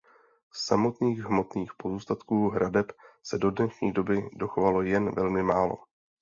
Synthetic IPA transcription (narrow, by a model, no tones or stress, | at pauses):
ssamo̞t̪niːɣɦmo̞t̪niːxpo̞zuːst̪at̪kuːɦɾʔadɛpsɛdo̞dnɛʃɲiːdo̞bɪdo̞xovalo̞jɛnvɛlmɪmaːlo̞̰